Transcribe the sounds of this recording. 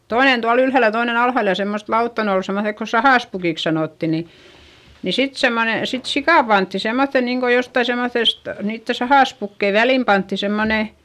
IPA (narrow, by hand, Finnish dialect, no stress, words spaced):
toinen tuɑl ylhæˑl jɑ toinen ɑlhɑˑl jɑ semːost lɑutːɑ ne ol semːoθek ko sɑhɑˑspukiˑks sɑnoˑtːi ni ni sit semːone sit sikɑˑ pɑntːi semːoθːen niːŋko jotːɑi semːoθest niːtːe sɑhɑˑspukːei ʋælim pɑntːi semːone